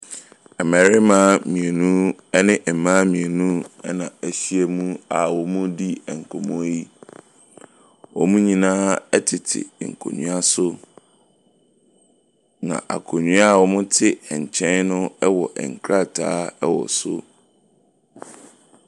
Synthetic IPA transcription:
ɛ˨mɛ˨ɾɪ˦mã˦mĩ˨e˨nũ˦ɛ˦nɪ̃˦ʔ̩˨mã˦mĩ˨e˨nũ˦ɛ̰˦nã˨æ˨ɕi˦e˦mũ˦a˨wɔ˨mũ˦di˦ɛ˨ŋ̩˨kʰɔ˨mɔ̃˦ji˦ | wɔ˨mũ˦ɲĩ˨nãː˦ɛ˦tʰɪ˨tʰɪ̰˨ŋ̩˨kʰo̰˨ɲũ˦a˦sʊ˦ | nã̰˨ʔa̰˨kʰo˨ɲũ˦a˦˨wɔ˨mʊ̃˦tʰɪ˦ɛ˨ɲ˨t͡ɕʰɛ̃˦nnʊ̃˦ɛ˦wɔ˨ʔɛ̰˨ŋ̩˨kʰɾa˦˨tʰaː˦ɛ˦wɔ̰˨sʊ˦

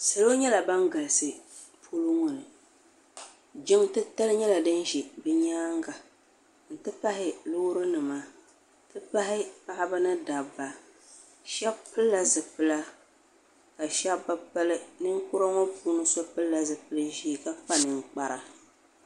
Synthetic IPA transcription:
sɨ˨lo˦ɲɛ˦la˨ba˦ŋɡa˨lɨ˨sɨ˨ | pʰu˦lʊ˦ŋʊ˨nɨ˨ | d͡ʒɪ˦mtɨ˦ta˦lɲɛ˦la˨dɨ˦nʒi˨bɨ˦ɲaː˦ŋɡa˨ | n̩˨tɨ˦pa˦ɦɪ˨lʊː˦ɾɨ˦nɨ˨maː˦˨ | tɨ˦pa˦ɦɪ˦pa˦ʔɪ˦ba˦nɨ˦da˨bːa˨ | ʃɛ˦bpɨ˦lːa˨zɨ˨pɨ˦la˦ | ka˨ʃa˦bːa˦pɨ˦lɨ˦nɨ˦ŋ˦kʊ˦ɾa˦ŋɔ˦puː˦nɨ˦sɔ˦pɨ˦lːa˨zɨ˨pɨ˦lɨ˦ʒi˦˨ka˦k͡pa˦nɨ˨ŋ˨k͡pa˦ɾa˨

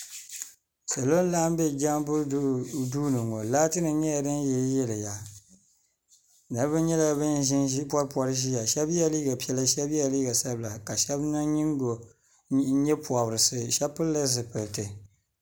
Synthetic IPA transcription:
sa˨lo˦n˦laː˦m˦bɛ˦d͡ʒa˦mbʊ˦duː˦nɨ˨ŋo˨laː˦tɨ˦nɨ˨ɲɛ˦ja˨dɨ˦n˦jɛ˨˦jɛ˦lɨ˨ja˨ | na˨ɾbɨ˦nɲɛ˦la˨bɨ˦nʒɪ˦n˦pɔ˦ɾpɔ˦ɾɨ˦ʒi˦ja˨ʃɛ˦bja˦˨liː˦ɡa˨pɛ˦la˦ʃɛ˦ba˨liː˦ɡa˨sa˦bla˨ka˨ʃɛ˦bna˦ɲi˦ŋ˦ɡo˨˦ | ɲɛ˦pwa˨bɾɨ˨sɨ˨ʃɛ˦pɨ˦lla˦zɨ˨pɨ˨ltɨ˨

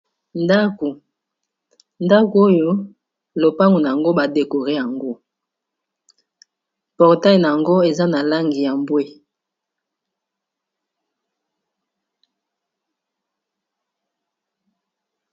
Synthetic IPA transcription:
nda˦ku˨ | nda˦ku˨˦o˦jo˦ | lo˨pa˦ŋɡu˨na˨ja˨ŋɡo˦ba˨de˨ko˨ʁe˦ja˨ŋɡo˦ | pɔ˨ʁta˦i˨na˨ja˨ŋɡo˦e˨za˦na˨la˦ŋɡi˨ja˨mbwe˦

